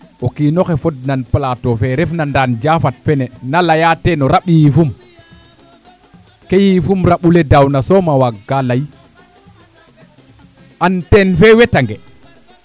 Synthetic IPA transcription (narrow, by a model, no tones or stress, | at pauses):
ɔkinɔkɛfɔdnanplatɔfɛɾɛfnandand͡ʒafat̚fɛnɛnalajatɛnɔɾaɓiifum | kejifumɾaɓulɛdawnasɔmawaɡːalaj | ʔantɛnfɛwɛtaŋɡɛ